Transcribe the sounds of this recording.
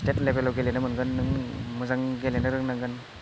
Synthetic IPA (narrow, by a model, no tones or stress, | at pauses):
stet̚lebelawɡelenɯmɯnɡɯnːɯŋmɯzaŋɡelenɯɾɯŋnaŋɡɯn